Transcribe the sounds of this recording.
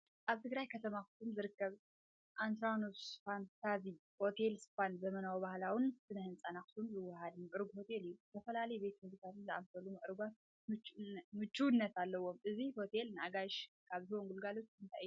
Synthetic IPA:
ʔaβt̪ʰɨɡɾajkʰɐt̪ʰɐmakɨ̥sumzɨɾɨkːɐβ | ʔant̪ɾanusfansʰaziho̞t̪ʰe̞lsfanzɐmɐnawbahlawɨnsɨnɐhɨnt͡sʼanakɨ̥sumzɨwːɐhad̪mɨʔɨɾɡuho̞t̪ʰe̞lɨjːuzʰɐfɐlalɐjɛbe̞t̪mɨd̪t̪ʰat̪ɨnzʔa̰msʰɐlumɨʔɨɾɨɡʷan | ɨt͡ʃmɨt͡ʃːunːɐt̪alːɐwo̞mʔɨziho̞t̪ʰe̞lnɨaɡaʃ | kʰaβzɨwoŋɡulɡalo̞t͡ʃːɨnt̪ʰaj

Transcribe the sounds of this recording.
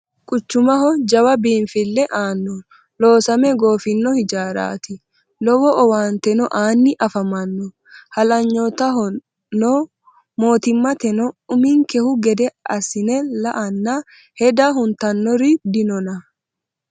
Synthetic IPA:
kʼʊt͡ʃːʊmɐɦɔd͡ʒɐwɐbiːnfɪlːɛʔaːnːɔ | loːsɐmɛɡo̞ːfɪnːɔhɪd͡ʒaːɾa̰ːt̪ɪ | lɔwɔʔɔwaːnt̪ɛnɔʔaːnːɪʔɐfɐmɐnːɔ | hɐlɐɲːoːt̪ɐɦɔ | nːoː | mo̞ːt̪ɪmːɐt̪ɛnɔʊmɪŋkɛhʊɡɛd̪ɛɐsɪnɛlɐʔɐnːa | hɛd̪aɦʊnt̪ɐnːɔɾɪd̪ɪnɔnɐ

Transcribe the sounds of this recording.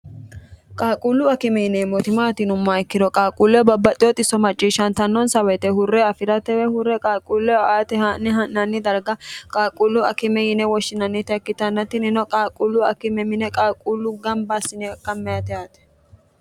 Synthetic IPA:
kʼaːkʼulːʊɐkɪmɛjɪnɛːmɔt̪ɪmaːt̪ɪnʊmːaɪkːɪd̪ɔkʼaːkʼulːɛbɐbːɐt̪ʼɪjɔt̪ʼɪsːɔmɐt͡ʃʼːiːʃɐnt̪ɐnːɔnsɐwɐt̪ɛhʊrːɛɐfɪɾɐt̪ɛwɛhʊrːɛkʼaːkʼulːɛaːt̪ɛhɐnːɛɦɐnːɐnːɪd̪ɐɾɡɐkʼaːkʼulːʊɐkɪmɛjɪnɛwɔʃːɪnɐnːɪt̪ɛkːɪt̪ɐnːɐt̪ːɪnɪnɔkʼaːkʼulːʊɐkɪmɛmɪnɛkʼaːkʼulːʊɡɐmbasːɪnɛkʼːɐmːɛjɐt̪ɛjaːt̪ɛ̥

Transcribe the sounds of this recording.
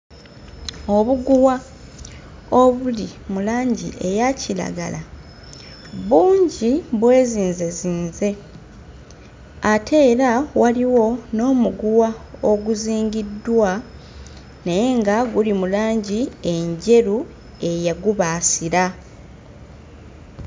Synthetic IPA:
o̞βuɡuwa | o̞βulimulaːɲɟḭʔe̞jacila̰ɡa̰la | βuːɲɟiβwe̞ːziːnze̞ziːnze̞ | atʰe̞ːɾawaliwo̞no̞ːmuɡuwaoɡuziːŋɡidːwa | neje̞ŋɡaɡulimulaːɲɟie̞ɲɟe̞ɾu | e̞jaɡuβaːsiɾa

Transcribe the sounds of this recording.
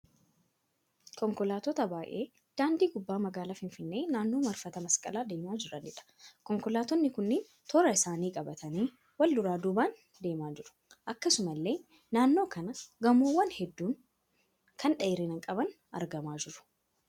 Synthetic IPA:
kɔŋkɔlaːt̪ɔt̪ɐbaːʔe̞̰ː | d̪̥aːnd̪iːɡʊbːaːmɐɡaːlaːfɪɱfɪnːe̞ːnaːnːo̞ːmɐɾfɐt̪ɐmɐskʼɐ̰laːd̪e̞ːmaːd͡ʒɪɾɐnɪᶑɐ̥kɔŋkɔlaːt̪ɔnːɪkʊnːeːn | t̪ʰɔɾɐɪsaːniːkʼɐbɐt̪ʰɐniː | wɐld̪ʊɾaːd̪uːbaːn | d̪e̞ːmaːd͡ʒɪɾʊ̥ | ʔɐkːɐsʊmɐlːe̞ː | naːnːo̞ːkɐnɐɡɐmoːwːɐnhɛd̪ːuːŋ | kʰɐnᶑɐɪɾɛnɐŋkʼɐbɐn | ɐ̰ɾɡɐmaːd͡ʒɪɾʊ̥

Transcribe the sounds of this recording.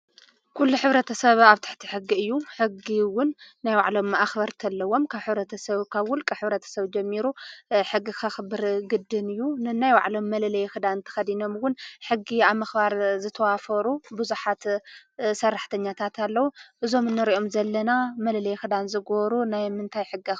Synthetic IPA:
kʰulːuħɨβɾɐt̪ʰɐsɐβaβt̪ʰɨ̥ħt̪ʰi̥ħɨɡːiɨjːuħɨɡiwʊnːajwa̰ʕlo̞mːaʔaxbɐɾt̪ʰɐlːɐwːo̞mkʰaβħɨβɾɐt̪ʰɐsɐβkʰaβwʊlkʼɨħɨβɾɐt̪ʰɐ̥sɐβd͡ʒɐmːiɾuħɨɡːikʰɐxɨbɨɾɡɨd̪ːɨnɨjːunɨnajwa̰ʕlo̞mːɐlɐlɐjxɨd̪anɨnt̪ʰɐ̥xɐd̪ino̞mwʊnħɨɡːiaβmɐxbaɾzɨt̪ʰɐwafɐɾubɨzuħat̪ | sɐrːaħt̪ʰɐɲːat̪ʰat̪ʰalːɐwuʔɨzo̞mɨnːɨɾiʔo̞mzɐlːɐnamɐlɐlɐjxɨd̪anzɨɡoɾunajmɨnt̪ʰajħɨɡːi

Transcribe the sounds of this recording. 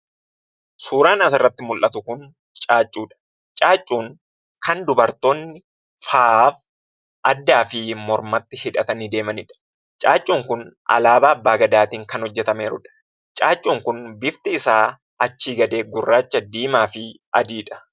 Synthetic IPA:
suːɾaːnɐs̬ɪrːɐt̪ːɪmʊlʔɐt̪ʊkʊn | t͡ʃʼaːt͡ʃʼːuːᶑɐ̥ | t͡ʃʼaːt͡ʃʼːuːŋ | kʰɐnd̪ʊbɐɾt̪oːnːɪ | faːf | ʔɐd̪ːaːfɪmɔɾmɐt̪ːɪhɪᶑɐt̪ɐnid̪e̞ːmɐnɪᶑɐ̥ | t͡ʃʼaːt͡ʃʼːuːŋkʊnʔɐ̰laːbaːɐbːaːɡɐd̪aːt̪iːŋkɐnhɔd͡ʒːɛt̪ɐmeːɾʊ̰ᶑɐ̥ | t͡ʃʼaːt͡ʃʼːuːŋkʊnbɪft̪ɪɪsaː | ɐt͡ʃːiːɡɐd̪e̞ːɡʊrːaːt͡ʃːɐd̪iːmaːfɪ | ɐd̪iːᶑɐ̥

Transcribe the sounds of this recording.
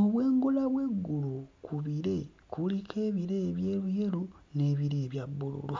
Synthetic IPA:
oβwe̞ːŋɡolaβwe̞ɡːulukuβiɾe̞ | kʰulikʰe̞ːβiɾe̞ːβjeːluje̞lune̞ːβiɾeːβjabːulṵlu

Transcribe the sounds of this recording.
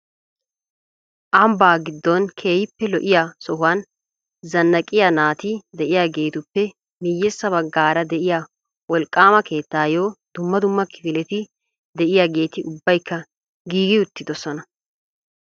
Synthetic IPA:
ʔɐmbaːɡɪd̪ːɔnkʰe̞ːhɪpːɛlɔʔɪjasɔhʊwan | zɐnːɐkʼɪjanaːt̪ɪd̪ɛʔɪjaːɡe̞ːt̪ʊpːɛ | mɪjːɛsːɐβɐɡːaːɾɐd̪ɛʔɪja | wɔlkʼːaːmɐke̞ːt̪ːaːjo̞ːd̪̥ʊmːɐd̪ʊmːɐkɪfɪlɛt̪ɪ | d̪ɛʔɪjaːɡe̞ːt̪ɪʔʊbːɐjkʰːɐ | ɡiːɡɪʊt̪ːɪd̪ɔsɔnɐ

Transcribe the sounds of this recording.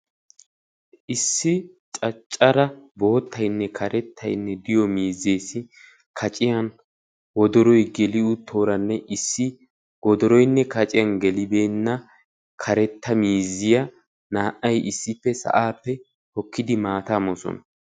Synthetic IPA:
ʔɪsːɪ | t͡ʃʼɐt͡ʃʼːɐɾɐbo̞ːt̪ːɐjnːɛkʰɐɾɛt̪ʰːɐ̰jnːɛd̪ɪjɔmiːze̞ːsɪ | kʰɐt͡ʃʼɪjɐn | wɔd̪ɔɾɔjɡɛlɪʊt̪ʰːo̞ːɾɐnːɛʔɪsːɪ | wɔd̪ɔɾɔjnːɛkɐt͡ʃʼɪjɐnɡɛlɪbe̞ːnːɐ | kʰɐɾɛt̪ːɐmiːzːɪjɐ | naːʔɐjʔɪsːɪpːɛsɐ̰ʔaːpːɛ | hɔkːɪd̪ɪmaːt̪amɔsɔ̰nɐ

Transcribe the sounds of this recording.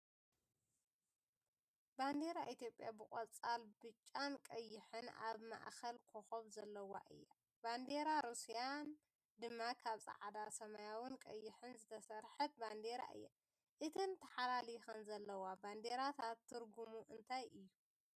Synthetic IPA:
band̪e̞ɾaʔit̪ʰjo̞pʼjabɨkʼɐt͡sʼalbɨt͡ʃʼːankʼɐjːɪħɨna̰βma̰ʔxɐlkʰoxoβzɐlːɐwa̰ʔɨ̰jːa | band̪e̞ɾaɾusijan | d̪ɨmːakʰaβsʼa̰ʕad̪asɐmajawɨnkʼɐjːɪħɨnzɨt̪ʰɐsɐɾħɐt̪̚band̪e̞ɾa̰ʔɨ̰jːa | ʔɨt̪ʰɨnt̪ʰɐħalalixɐnzɐlːɐwaband̪e̞ɾat̪ʰat̪ʰːɨɾɡumuʔɨnt̪ʰajʔɨjːu

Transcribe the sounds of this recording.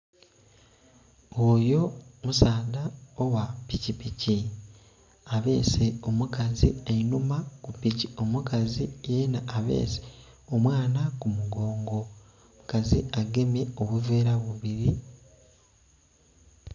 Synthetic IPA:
ojo̞musaːdaowapicipici | aβe̞ːse̞o̞mukazienumakupicio̞mukazijenaːβe̞̰ːse | o̞mwaːnakumuɡo̞ːŋɡo | mukaziaɡe̞mje̞o̞βuve̞ːɾaβuβiɾi

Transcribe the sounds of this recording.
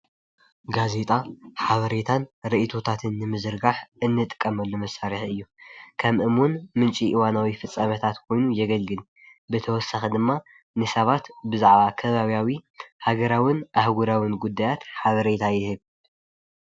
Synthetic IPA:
ɡaze̞t̪ʼaħaβɐɾe̞t̪ʰanɾiʔit̪ʰo̞t̪ʰat̪ʰɨnːɨmɨzɾɡaħɨnːɨt̪ʼɨkʼːɐmɐlːomɐsaɾiħɨjːukʰɐmʔɨmwʊnmɨnt͡ʃʼiʔiwanawifɨt͡sʼːɐmɐt̪ʰat̪kʰo̞jnujɛɡɐlɡɨl | bɨt̪ʰɐwɔsaxid̪ɨmːa | nɨsɐβat̪bɨzaʕβakʰɐβaβjawihaɡɐɾawɪnʔahɡuɾawinɡud̪ːajat̪ħaβɐɾe̞t̪ʰajɪhɨβ

